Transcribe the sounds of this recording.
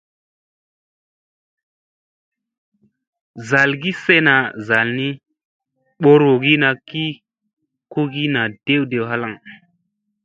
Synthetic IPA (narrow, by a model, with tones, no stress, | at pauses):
za˨lɡi˦se˦na˨za˨lni˦ | ɓo˦ɾo˨ɡi˦na˨ki˦ | ku˦ɡi˦na˨d̥e˦wde˨wɦa˦la˦˨ŋ